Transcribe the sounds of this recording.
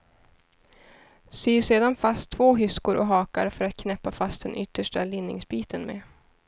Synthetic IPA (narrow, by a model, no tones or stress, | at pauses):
syːseːd̪anfast̪ʰːvoːɦʏskʊɾʔɔ̰ɦɑːka̰ɾfœɾat̪̚kʰnɛpːafast̪̚d̪ɛnʔʏt̪ːəʂʈalɪnːɪ̰ŋsbiːt̪ənmḛː